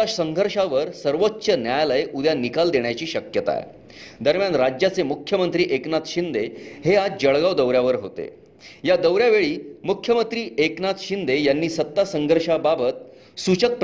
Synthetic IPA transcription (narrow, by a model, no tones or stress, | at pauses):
asəŋɡʱəɾʂaʋəɾsəɾʋotːɕənjajləjʔud̪janikald̪eɳ̃jat͡ɕiːɕəkjət̪a̰ḛ | d̪əɾmjanɾad͡ʑjat͡semukʰjəmənt̪ɾiːʔeknat̪ɕind̪eɦead͡zd͡ʑəɭɡawd̪əwɾjaʋəɾɦot̪ḛ | jad̪əwɾjaʋeɭiːmukʰjəmənt̪ɾiːeknat̪ɕind̪ejanːiːsət̪ːasəŋɡʱəɾʂababət̪̚ | sut͡ɕək̚p